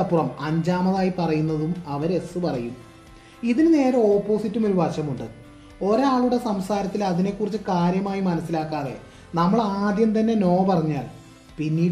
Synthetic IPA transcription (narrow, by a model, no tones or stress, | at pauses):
ɐpːurɐmɐɲd͡ʑaːmɐðaːjipɐrɐjunːɐðumɐʋɐɾe̞sːɨpɐrɐjum | iðinɨne̞ːɾɐo̞ːpːo̞ːsitːumoɾuʋaːɕɐmuɳɖɨ | o̞ɾaːɭuɽe̞sɐmsaːɾɐt̪ːilɐðine̞kːurit͡ɕːɨkaːɾjɐmaːjimɐnɐsːilaːkːaːðe̞̰ | nɐmːɐɭaːd̪jɐmt̪̬ɐnːe̞no̞ːpɐrɐɲːa̰ːl | pinːiː